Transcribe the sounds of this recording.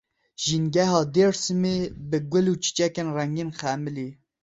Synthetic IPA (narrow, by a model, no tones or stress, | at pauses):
ʒinɡɛɦɑːd̪eɾsɨmebɨɡʷʊluːt͡ʃʰi̥t͡ʃɛkenrɛŋɡeːnxæmɨli